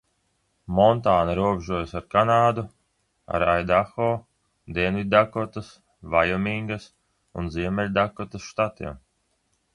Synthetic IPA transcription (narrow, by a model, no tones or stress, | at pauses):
mɔnt̪aːnaɾuɔbʲʒuɔjsaɾkanaːd̪u | a̰ɾajd̪axɔː | d̪ɛnvid̪d̪akɔt̪as | vajɔmʲiŋɡas | unziɛmʲɛlʲd̪akɔt̪asʃt̪at̪ḭɛm